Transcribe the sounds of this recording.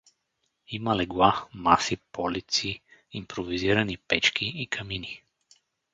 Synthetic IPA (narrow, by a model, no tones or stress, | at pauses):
imɐlɛɡlˠamasipɔlit̪siːmpɾoviziɾɐnipɛt͡ʃkʲiikʰɐmini